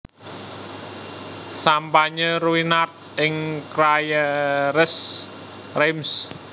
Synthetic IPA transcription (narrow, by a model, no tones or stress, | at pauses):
sampaɲəɾuinat̪̚ɪŋkɾajəɾəs | rems